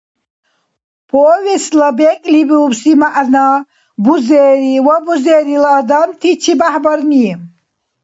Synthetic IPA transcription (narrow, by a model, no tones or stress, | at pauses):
pʰɔːvislabɛkʼlibiubsimaʔna | buzɛɾiwabuzɛɾilːd̪amt̪ʰit͡ʃʰibaħbaɾni